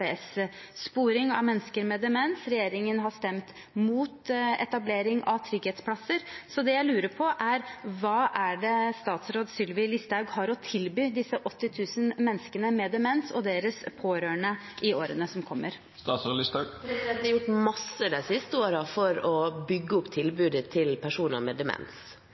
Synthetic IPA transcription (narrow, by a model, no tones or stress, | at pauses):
esspuːɾɪŋɑ̰ʋmɛnːskəɾmɛd̪ɛmɛnsɾɛjeːɾɪŋənɦɑʂt̪ɛmt̪ | muːt̪ɛ̰t̪ɑbleːɾɪŋɑʋt̪ʰɾʏɡheːt̪spʰlɑsəɾsɔd̪ɛjæɪlʉːɾəpʰɔʔæɾʋɑːʔæɖɛst̪ɑːt̪sɾoːd̪sʏlʋɪlɪst̪ɑʉɡhɑɾɔt̪ʰɪlbyːd̪ɪsːəʔɔt̪ːɪt̪ʰʉːsənmɛnskənəmɛːd̪ɛmɛnsɔ̰d̪eːɾəspʰoːɾøːəɳəʔɪoːɾənəsɔmkʰɔmːəɾ | st̪ɑslɪspʰɾɛsɪdd̪ɛnt̪ːɑɾjʊʈmɑsəd̪æɪsɪst̪əoːɾəfɔɾɔbʏɡːəʊpːt̪ʰɪlbʉːd̪ət̪ʰɪlpʰæʂuːnə̰mɛd̪ɛmɛ̰ns